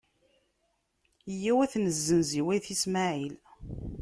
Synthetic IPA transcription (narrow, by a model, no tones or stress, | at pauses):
jːæwæθnəzːənziwæjθismaʕil